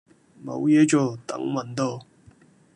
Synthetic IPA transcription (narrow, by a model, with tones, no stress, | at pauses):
mo̰˨˧wjɛː˨˥t͡ʃɔː˨˩t̪ɐ̰˨˥ŋmɐ˨˩nt̪o˧˩